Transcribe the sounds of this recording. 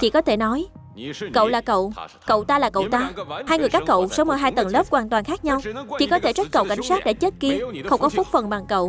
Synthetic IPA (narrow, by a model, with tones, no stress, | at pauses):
t͡ɕḭ˧˩kɔ˨˦t̪ʰe˧˩nɔ˨˦j | kə̰˧˨wlaː˨˩kə̰˧˨w | kə̰˧˨wt̪aː˧laː˨˩kə̰˧˨wt̪aː˧haː˧jŋɨ˨˩jkaː˦˥kːə̰˧˨wsə˨˦wmə˨˦ɦaː˧jt̪ə˨˩nləː˦˥p̚kwaː˨˩nt̪waː˨˩nxaː˦˥k̚ɲa˧wt͡ɕḭ˧˨kɔ˨˦t̪ʰe˧˩t͡ɕa˦˥t̚kə̰˧˨wka̰˧˩jŋ̟saː˦˥t̚ɗḛ˧˩t͡ɕəe˦˥t̚ki˧əxə˧wŋ͡mkɔ˨˦fu˦˥k͡p̚fə˨˩nɓa˨˩ŋkə̰˧˨w